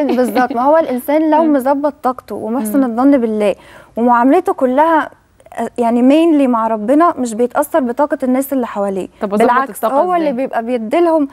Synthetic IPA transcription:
bezˤːɑb̚t̪ˤmæhowːælʔensæːnlæwmozɑbːɑt̪ˤːɑːqt̪owemoħsˤened̪ˤːɑnːbelːæː | wemoʕamælet̪okolːæhæ | jaʕnimeːnliːmaʕɾˤɑbːenɑmɪʃ̬bejet̪ʔɑsːɑɾˤbet̪ˤɑːqɑnːæːsʔelːiħawælḭːbelʕakshowːælːiːbejebʔæbejed̪ːelhom

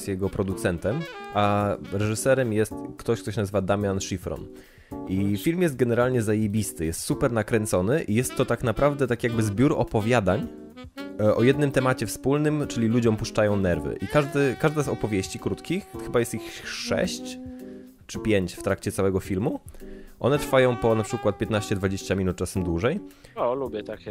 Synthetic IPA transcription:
st̪jɛɡɔpɾɔd̪ut̪sɛnt̪ɛmʔaɾɛʐɘsɛɾɛmjɛst̪kt̪ɔɕkt̪ɔɕ̬nazɘvad̪amʲjanʂifɾɔ̰n | ʔifʲilmjɛst̪̚ɡɛnɛɾalɲɛzajebʲist̪ɘjɛst̪supɛɾnakɾɛnt̪sɔnɘʔijɛst̪ːɔt̪aknapɾavd̪ɛt̪akʲjaɡ̚bɘzbʲjuɾɔ̰pɔvʲjad̪aɲ | ʔɔjɛd̪nɘmt̪ɛmat͡ɕɛfspulnɘmt͡ʂɘlʲilud͡ʑɔ̃mpuʂt͡ʂajɔ̃w̃nɛɾvɘ̰ʔikaʐd̪ɘkaʐd̪azɔpɔvʲjeɕt͡ɕikɾut̪kʲixxɘbajɛst̪ixʂɛ̰ɕt͡ɕ | t͡ʂɘpʲjeɲt͡ɕft̪ɾakt͡ɕɛt̪sawɛɡɔfʲilmuʔɔ̰nɛt̪ɾfajɔ̃w̃pɔnapʂɘkwat̪̚pʲjɛt̪naɕt͡ɕɛd̪vad͡ʑeɕt͡ɕamʲinut̪̚t͡ʂasɛmd̪wuʐɛjɔlubʲjɛt̪ak

